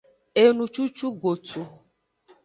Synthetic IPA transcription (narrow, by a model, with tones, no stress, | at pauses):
e˨nũ˨t͡ʃu˦t͡ʃu˦ɡo˨tʰu˨